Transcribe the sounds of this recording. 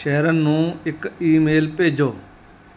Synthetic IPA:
ʃəːɾənːũːɪkiːmeːlpeːd͡ʒoː

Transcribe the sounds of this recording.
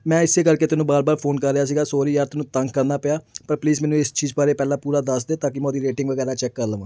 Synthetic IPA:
mɛ̃ːɪsːeːkəɾkeːt̪ʊnũːbaːɾbaːɾpʰoːnkəɾːɪjaːs̬iːɡaːsoːɾiːjaːɾt̪ʊnũːt̪əŋkːəɾnaːpɪjaːpəɾpliːzmɛːnũːɪst͡ʃiːzbaːɾeːpɛːlãːpuːɾaːd̪əsd̪eːt̪aːkɪmɛ̃ːd̪iːɾeːʈɪ̃ŋɡʋəɡɛːɾaːt͡ʃɛkːəɾləʋãː

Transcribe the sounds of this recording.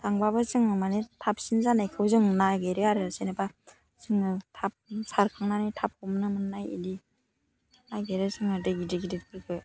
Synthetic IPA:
tʰaŋbabɯzɯŋɯmanetʰap̚sinzanajkʰɯwzɯŋnajɡeɾɯaɾɯsenɯba | zɯŋɯtʰap̚saɾkʰaŋnanɯjtʰap̚hɔmnɯmɯnːajḭdi | naɡeɾɯzɯŋɯdɯɡidɯɡidit̚kʰɯɾkʰɯj

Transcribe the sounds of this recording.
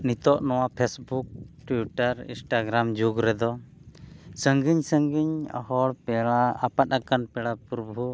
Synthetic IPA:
nit̪ɔʔnɔwapʰesbuk̚ʈwiʈaɾḭ̃nsʈaɡɾamd͡ʒuɡɾɛd̪ɔ | səŋɡiɲsəŋɡiɲa̰hɔɽpɛɽaːpat̪̚akanpɛɽapɾɔbʱu

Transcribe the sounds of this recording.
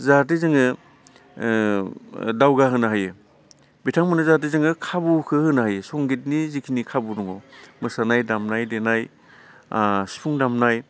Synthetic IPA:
zat̬izɯŋɯ | dawɡaɦɯnaɦajɯ | bitʰaŋmɯnɯzat̬izɯŋɯkʰabukʰɯhɯnaajɯsɔŋɡit̬̚nizikʰinikʰabudɔŋɔmɯsanajdamnajdenaj | si̥pʰuŋdamnaj

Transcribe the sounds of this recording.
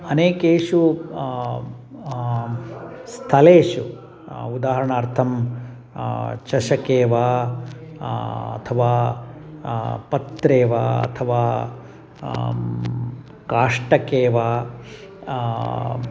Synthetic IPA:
ɐneːkeːʂu | st̪ʰɐleːʂu | ud̪aːɦɐɾɐɳaːɾt̪ʰɐm | t͡ʃɐʃɐkeːʋaː | ɐ̰t̪ʰɐʋaː | pɐt̪ɾeːʋaɐ̰t̪ʰɐʋaː | kaːʂʈɐkeːʋaː

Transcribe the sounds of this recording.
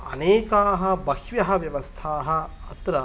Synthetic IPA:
ɐ̰neːkaːɦɐbɐhʋjɐɦɐʋjɐʋɐst̪ʰaːɦɐɐt̪ɾɐ

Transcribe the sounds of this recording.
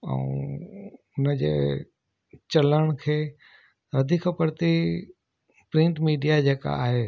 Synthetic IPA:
ə̰̃ | ʊnəd͡ʑḛː | t͡ɕɐləɽ̃kʰeː | ɐd̪ʱikʰəpəɾt̪i | pɾɪ̃ɳʈmiːɖijad͡ʑeːka̰a̰ːɦeː

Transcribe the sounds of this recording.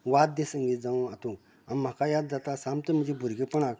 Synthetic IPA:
ʋat̪̚d̪esə̃ŋɡit̪d͡zãat̪ũ | ãnm̤akajad̪̚d͡zat̪asãmt̪əm̤əd͡ʑebʱuɾɡepəɳak

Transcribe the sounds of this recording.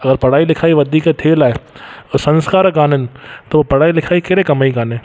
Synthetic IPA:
ɐɡəɾpɐɽaːilɪkʰaːiʋɐd̪ʱiket̪ʰeːlaːesɐ̃nskaːɾkaːnənt̪oopɐɽaːilɪkʰaːikeɾekɐmaːikaːnẽ

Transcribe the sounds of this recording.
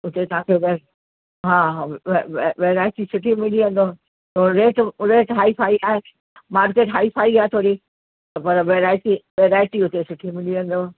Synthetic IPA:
ʊt̪et̪ɐɦãːkʰeʋe | ɦãː | ʋeːɾaːɪʈisʊʈʰimɪliə̃nd̪o | t̪oːɾeːʈɾeːʈɦaːifʰaːiaːɦe | maːɾkeːʈɦaːipʰaːiaːɦet̪ʰoːɾi | t̪ɐpɐɾʋeːɾaːɪʈiʋeːɾaːɪʈiʊt̪esʊʈʰimɪliə̃n̆d̪oːɦ

